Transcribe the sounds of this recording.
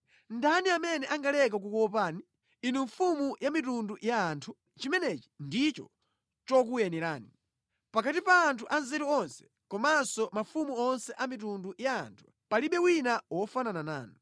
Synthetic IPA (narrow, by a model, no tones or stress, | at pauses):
ndaniamɛnɛʔaŋɡalɛk̬ak̬ukɔwɔp̬aːni | inuɱfumujamitundujaantʰu | t͡ʃimɛnɛt͡ʃi̥ndit͡ʃɔ̰ | t͡ʃɔk̬ujɛnɛɾa̰ːni | pakatipaːntʰuʔanzɛɾuɔnsɛ̥ | kɔmansɔmafumuɔnsɛʔamitunduja̰ːntʰu̥ | paliɓɛwinawɔfananana̰ːnɔ